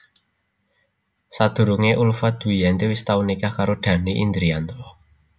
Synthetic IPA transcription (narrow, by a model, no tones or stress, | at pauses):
sad̪̥ṳɾuŋeʔulfad̪̥ṳjɛnt̪iwist̪aunikahkaɾoɖ̪̥ä̤niʔḭnd̪ɾiand̪ɾɔ